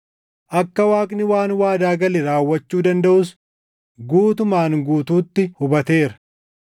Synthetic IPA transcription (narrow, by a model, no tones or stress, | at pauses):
ʔɐkːɐwaːkʼnɪwaːnwaːd̪aːɡɐlɪɾaːwːɐt͡ʃːuːd̪ɐnd̪ɐʔʊs | ɡuːt̪ʊmaːŋɡuːt̪uːt̪ːɪhʊbɐt̪e̞ːɾɐ̥